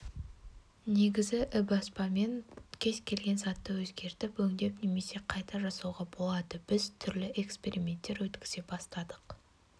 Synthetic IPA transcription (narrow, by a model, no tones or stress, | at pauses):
ne̞ɡʲɪzɪʔɪbɑspɑme̞ŋkʲʰe̞skʲʰe̞lɡʲe̞nzɑt̪ːəwɵzɡʲe̞ɾt̪ɪpwɵŋd̪e̞pne̞me̞se̞qʰɑjt̪ʰɑʒɑsɑwʁɑbo̞lˠɑd̪əb̥ɪzt̪ʰʏɾlɪʔe̞kspe̞ɾimʲe̞nt̪ːe̞ɾwɵt̪kʲɪ̥ze̞bɑst̪ɑd̪əq